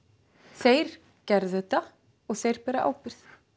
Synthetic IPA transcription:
θeːjɾ̥ | cɛɾðɛt̪ːa | ɔɣθeːjɾ̥pɛːɾaʔa̰ːwpɪɾ̥θ

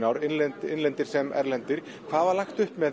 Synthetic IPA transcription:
nawɾɪnlɛnt̪ɪnlɛnt̪ɪɾ̥sɛmɛ̰ɾlɛnt̪ɪɾ̥ | kʰvaːðvaɾlaxt̪ʏhpmɛ

